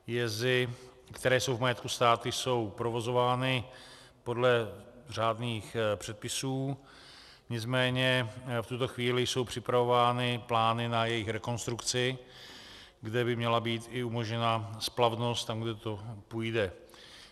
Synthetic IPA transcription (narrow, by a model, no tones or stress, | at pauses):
jɛzɪ | kt̪ɛɾɛːjso̞wvmajɛt̪kust̪aːt̪ʊjso̞wpɾo̞vo̞zo̞vaːnɪ | po̞dlɛr̝aːdniːxpr̥ɛt̪̚pɪsuː | ɲɪt͡smɛːɲɛft̪ut̪o̞xviːlɪjso̞wpr̝̥ɪpɾavo̞vaːnɪplaːnɪnajɛjɪxɾɛko̞nst̪ɾukt͡sɪ | ɡdɛbɪmɲɛlabiːt̪ɪumo̞ʒɲɛnasplavno̞st̪t̪amɡdɛt̪o̞pujdɛ